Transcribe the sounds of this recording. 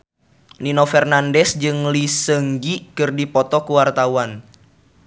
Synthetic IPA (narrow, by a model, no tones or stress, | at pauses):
ninofɛrnandɛsd͡ʒɨŋlisəŋɡikɨrdipɔt̪ɔkuwart̪awan